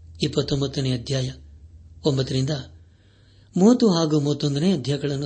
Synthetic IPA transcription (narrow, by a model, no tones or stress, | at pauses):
ipːɐt̪ːombɐt̪ːuneɐd̪ʱjaːjɐ | ombɐt̪ːɐɾind̪ɐ | moːt̪uɦaːɡumoːt̪ːond̪ɐneɐd̪ʱjaːjɐɡɐɭɐnːu